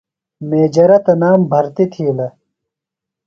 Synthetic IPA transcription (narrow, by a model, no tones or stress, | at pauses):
meːd͡ʑɐɾɐt̪ɐnaːmbʱɐɾt̪it̪ʰiːlɐ